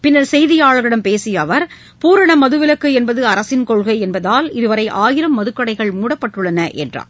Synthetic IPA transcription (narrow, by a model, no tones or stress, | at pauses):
pɪnːɐɾsɛjðɪjaːɭɐɣɪɽɐmpeːsɪjɐʋɐɾ | puːɾɐɳɐmɐðɯʋɪlɐkːɯɛnbɐðɯɐɾɐsɪnkɔɭɣɐɪɛnbɐðaːlɪðɯʋɐɾɐɪʔaːjɪɾɐmːɐðɯkːɐɽɐɪɣɐɭmuːɽɐpːɐʈːɯɭːɐnɐʔɛ̰ndra̰ː